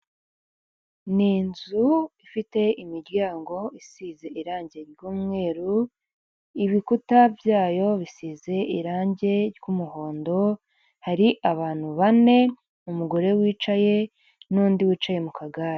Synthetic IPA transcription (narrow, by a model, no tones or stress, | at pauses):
niːnzuifite̞ʔimiɾɟaːŋɡo̞isize̞ʔiɾaːɲɟe̞ɾjuːmŋe̞ːɾu | iβikutavjaːjo̞βisiːze̞iɾaːɲɟe̞ɾjumuho̞ːndo̞ | haɾiʔaβaːn̥huβane̞ | umuɡo̞ɾe̞wiːt͡ʃaje̞ | nuːndiwiːt͡ʃaje̞mukʰaɡaɾe